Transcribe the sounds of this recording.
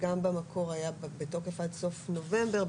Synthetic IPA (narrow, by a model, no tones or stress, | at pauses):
ɡambamakʰo̞ʁajabetokefadso̞fno̞ve̞mbe̞ʁ